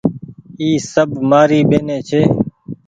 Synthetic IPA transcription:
iːsəbmaːɾiːbeːneːt͡ʃʰeː

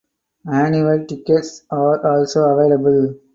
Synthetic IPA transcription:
mæ̃niʋəlʈɪkeʈsaːɾɔːlsoːɐʋeːləbəl

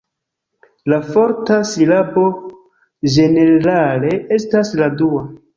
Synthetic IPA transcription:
lafo̞ɾtasilabo̞ | d͡ʒe̞ne̞ɾale̞ʔe̞stasladua

